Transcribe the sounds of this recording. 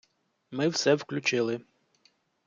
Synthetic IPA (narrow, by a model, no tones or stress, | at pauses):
mɪwsɛwklʲʊt͡ʃɪlˠɪ